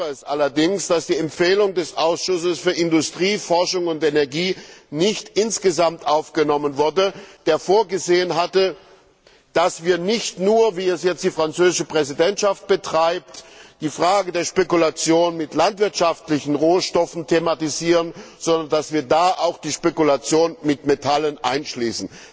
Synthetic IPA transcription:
əɛsʔalɐdɪŋsd̥asd̥iːɛmpfeːlʊŋdɛsʔaʊsʃʊsəsfyːɐɪndʊstʁ̥iːfɔɐʃʊŋʊntʔenɛɐɡiːnɪçtʔɪnsɡ̥əzamtʔaʊfɡ̥ənɔmənvʊɐdəd̥eːɐfoːɐɡəzeːənɦatə | d̥asv̥iːɐnɪçtnuːɐviːɛsjɛt͡std̥iːfʁ̥ant͡søːzɪʃəpʁ̥ɛzidɛntʃaft̚b̥ətʁ̥aɪp̚td̥iːfʁ̥aːɡədeːɐʃpekulat͡sjoːnmɪtlantv̥ɪɐtʃaftlɪçn̩ʁoːʃtɔfn̩tʰematiziːʁənz̥ɔndɐndasv̥iːɐdaːʔaʊxd̥iːʃpekulat͡sjoːnmɪtmetʰalənʔa̰ɪnʃliːsn̩

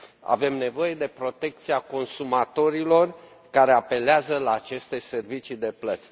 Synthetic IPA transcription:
a̰ve̞mne̞vo̞je̞d̪e̞pɾo̞t̪e̞k̚t̪siako̞nsumat̪o̞ɾilo̞r | kaɾe̞ape̞leazəlaːt͡ʃe̞st̪e̞se̞rvit͡ʃid̪e̞plət̪sʲ

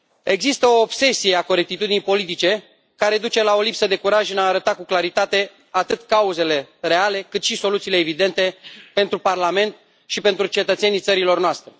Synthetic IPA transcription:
e̞ɡzist̪əo̞ːbse̞sijeako̞ɾe̞k̚t̪it̪ud̪inijpo̞lit̪̬it͡ʃe̞ | kaɾe̞d̪ut͡ʃe̞lao̞lipsəd̪e̞kuɾaʒɨnaːɾət̪akuklaɾit̪at̪e̞ | at̪ɨt̪kauze̞le̞ɾe̞ale̞kɨt̪ʃiso̞lut̪siːleːvid̪e̞nt̪e̞pe̞nt̪ɾuparlame̞nt̪ | ʃipe̞nt̪ɾut͡ʃe̞t̪ət̪se̞nijt̪səɾilo̞rnoast̪ɾe

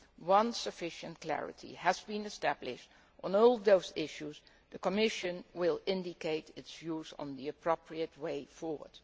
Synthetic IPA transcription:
wʌ̃nsɨfɪʃə̃nt̚kʰl̥æ̰ɹɨ̰tʰḭəzbĩnɨstæblɪʃt | ʔn̩ɔlˠðoʊzɪʃuz | ðəkəmɪʃɨ̃nwɪlˠɪ̃ndɪkeɪtɪtsjuzn̩ðiɨpʰɹ̥opʰɹiɨt̚weɪfɔɹwə̰˞d̥

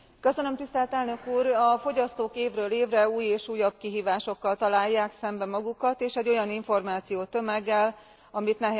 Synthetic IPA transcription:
kø̞sø̞nømt̪ist̪ɛlt̪ɛlnø̞kuːrɒfo̞ɟɒst̪oːkeːvrøːleːvrɛuːjeːʃuːjːɒb̥̚kiɦiːvaːʃo̞kːɒlt̪ɒlaːjːaːksɛmbɛmɒɡukɒt̪eːʃɛɟːo̞jɒniɱfo̞rmaːt̪sijoːt̪ø̞mɛɡːɛl | ɒmit̪nɛɦ

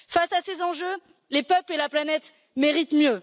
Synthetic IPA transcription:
fasasezɑ̃ʒø | lepœplelaplanɛt̪ | meʁit̪mjø

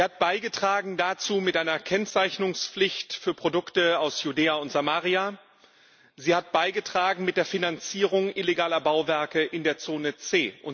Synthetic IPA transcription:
ziːhat̚b̥aɪɡətʁ̥aːɡŋ̩dat͡suːmɪtʔaɪnɐkʰɛnt͡saɪçnʊŋsflɪçtfyːɐpʁ̥odʊktəaʊsjudeːaʊntz̥amaːʁia | ziːhat̚b̥aɪɡətʁ̥aːɡŋ̩mɪt̚d̥eːɐfinant͡siːʁʊŋʔɪleɡaːlɐbaʊvɛɐkəʔɪndeːɐt͡soːnət͡seːʔʊn

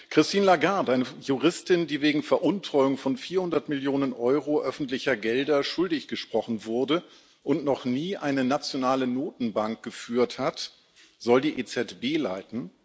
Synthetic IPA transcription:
kʁ̥ɪstiːnlaɡaɐtʔaɪnəjuʁɪstɪndiːveːɡŋ̩fɛɐʔʊntʁ̥ɔʏʊŋfɔnfiːɐhʊndɐtmɪljoːnənʔɔʏʁoʔœfn̩tlɪçɐɡɛldɐʃʊldɪçɡ̥əʃpʁ̥ɔχn̩vʊɐdə | ʔʊntnɔχniːʔaɪnənat͡sjonaːlənoːtn̩baŋk̚ɡ̥əfyːɐthat | z̥ɔldiːʔeːt͡sɛtb̥eːlaɪtn̩

